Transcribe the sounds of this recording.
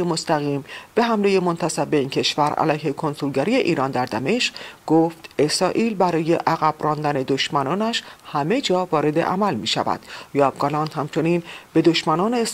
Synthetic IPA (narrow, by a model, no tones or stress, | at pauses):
emost̪æɣiːmb̥e̞ɦæmleje̞mo̞nt̪ʰæsæb̚ːeiːncʰe̞ʃvæɾæ̰læjhe̞kʰo̞nsulɟæɾiːe̞ʔiːɾɒːnd̪æɾd̪æme̞ʃɡɡoːft̪e̞sɾɒːʔiːlbæɾɒːje̞ʔæɣæbrɒːnd̪æne̞d̪oʃmænɒːnæʃhæme̞d͡ʒɒːvɒːɾe̞d̪e̞̰ʔæ̰mælmiːʃæ̰væ̰d̪̥jɒːbɡɒlɒnt̪hæmt͡ʃʰo̞niːnb̥e̞d̪oʃmænɒːne